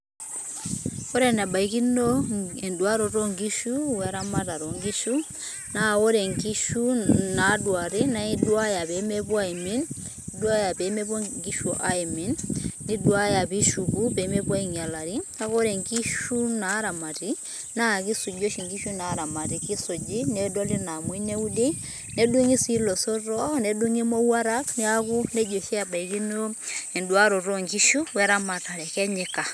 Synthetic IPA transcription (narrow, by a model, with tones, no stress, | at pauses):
kɔ˦ɾɛna˨ba˨ikinɔɛndwaɾɔtɔ˦ŋɡiʃuwɛɾamata˨ɾɔŋɡiʃu | naɔ˦ɾɛ˨ŋkiʃunadwaɾina˦idwa˦japɛmɛpwa˦iminidwa˦japɛmɛp̬ɔŋɡi˦ʃɔʔaiminːidwa˦japiʃu˨ku˦pe˨˦mɛ˦pɔ˦i˨ŋa˨la˨ɾi˦a˦kɔ˦ɾɛ˨ŋɡi˦ʃu˦naː˨˦ɾa˨ma˨ti˦ | na˦˨ki˦su˨d͡ʒo˦ʃi˨ŋɡi˦ʃu˦na˨˦ɾa˨ma˨ti˨ki˦so˨d͡ʒi˦nɛ˦dɔ˦li˦na˨mwi˦nɛ˦u˦de˦ | nɛ˦du˦ŋi˦si˦lɔ˨so˦ɾɔ˦nɛ˨du˦ŋi˦mo˦wa˦ɾa˦kni˦a˦ku˦nɛ˦d͡ʒo˨ʃɛ˦a˨ba˨i˨ki˦no˦ɛ˨ndwa˦ɾɔ˨ɾɔ˦ŋɡi˦ʃu˦wɛ˦ɾa˦ma˨ta˨ɾɛ˨kɛ˦ɲɛ˦ka˨